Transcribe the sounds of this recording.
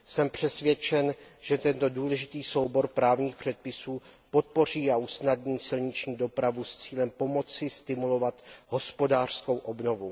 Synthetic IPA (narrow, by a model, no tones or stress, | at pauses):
sɛmpr̝̥ɛsvjɛt͡ʃɛnʒ̥ɛt̪ɛnt̪o̞duːlɛʒɪt̪iːso̞wbo̞ɾpɾaːvɲiːxpr̝̥ɛt̪̚pɪsuːpo̞t̪̚po̞r̝iːausnadɲiːsɪlɲɪt͡ʃɲiːdo̞pɾavust͡siːlɛmpo̞mo̞t͡sɪst̪ɪmulo̞vat̪ɦo̞spo̞daːr̥sko̞wʔobno̞vu